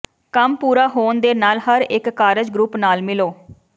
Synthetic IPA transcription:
kəmpuːɾaːɦoːnd̪eːnaːlɦəɾɪkːaːɾəd͡ʒɡɾupnaːlmɪloː

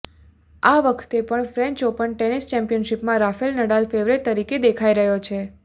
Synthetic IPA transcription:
aʋəkʰt̪epəɳfɾɛ̃ɲt͡ʃopəɳʈenist͡ʃɛ̃mpijənʃipmãɾafelnəɽalfeʋɾeʈ̚t̪əɾiked̪ekʰaiɾəɦjot͡ʃʰe

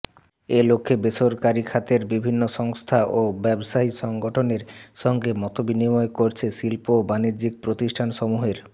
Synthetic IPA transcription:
elokʰːebeʃoɾkaɾikʰat̪eɾbibʱinːoʃɔŋst̪ʰaʔobɛbʃaɦiʃɔŋɡoʈʰoneɾʃɔŋɡemɔt̪obinimɔekoɾt͡ɕʰeʃilpobaniɾd͡ʑiɡ̚pɾot̪iʃʈʰanʃɔmuɦeɾ

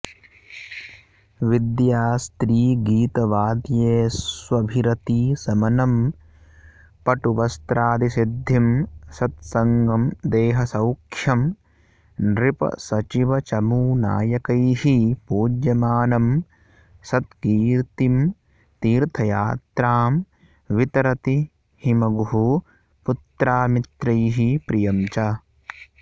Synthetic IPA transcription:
ʋid̪jaːst̪ɾiːɡiːt̪ɐʋaːd̪jeːsʋɐbʱiɾɐt̪iːsɐmɐnɐm | pɐʈuʋɐst̪ɾaːd̪isid̪ʱːimsɐt̪̚sɐŋɡɐmd̪eːɦɐsɐwkʰjɐm | nɾipɐ̰sɐt͡ʃiʋɐt͡ʃɐmuːna̰ːjɐkɐjɦipuːd͡ʒjɐmaːnɐm | sɐt̪ɡiːɾt̪im | t̪iːɾt̪ʰɐjaːt̪ɾaːm | ʋit̪ɐɾɐt̪i | himɐɡɦu | put̪ɾaːmit̪ɾɐjɦipɾijɐmt͡ʃɐ

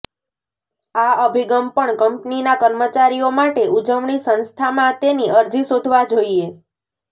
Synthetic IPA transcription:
aəbʱiɡəmpəɳkəmpninakəɾmət͡ʃaɾijomaʈeʔud͡ʒəʋɳisə̃nst̪ʰamãt̪eniəɾd͡ʒisod̪ʱʋad͡ʒoie

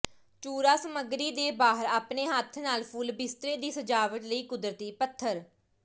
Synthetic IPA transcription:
t͡ʃuːɾaːsəməɡɾiːd̪eːbaːɦəɾaːpneːɦət̪ʰːnaːlpʰulbɪst̪ɾeːd̪iːsəd͡ʒaːʋəʈ̪ləiːkʊd̪ɾət̪iːpət̪ʰːəɾ

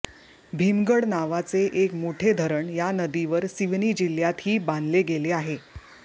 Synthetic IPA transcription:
bʱimɡəɽnaʋat͡seʔekmoʈʰed̪ʱəɾəɳjanəd̪iʋəɾsiʋnid͡ʑiljat̪hiːbãnd̪leɡeleaɦe

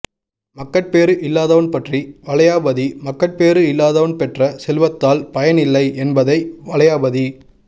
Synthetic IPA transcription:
mɐkːɐʈ̚peːɾɯʔɪlːaːðɐʋɐnpɐʈriʋɐɭɐjaːbɐðimɐkːɐʈ̚peːɾɯɪlːaːðɐʋɐnpɛʈrɐsɛlʋɐt̪ːaːlpɐjɐnɪlːɐɪʔɛnbɐðɐɪʋɐɭɐjaːbɐði

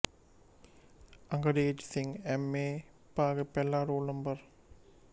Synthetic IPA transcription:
ɐŋɡɐɖeːd͡ʒsiŋemeː | paːɡəpelːaːɾoːlnɐmbɐr

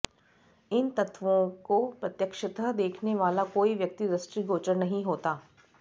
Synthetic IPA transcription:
ɪnt̪ɐt̪ʰʋõkopɾɐt̪jəkʃət̪əd̪eːkʰneʋaːlakoːiʋjɐk̚t̪iɾɐsʈɾiɡoːt͡ʃəɾnɐɦĩɦoːt̪aː

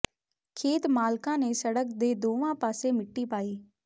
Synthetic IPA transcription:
kʰeːt̪maːlkãːneːsəɽək̚d̪eːd̪oːʋãːpaːseːmɪʈːiːpaːiː

